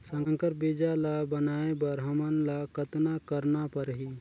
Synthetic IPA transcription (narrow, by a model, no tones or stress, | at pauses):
səŋkəɾp̚bid͡ʒalabənaebəɾɦəmənlakət̪nakəɾnapəɾɦi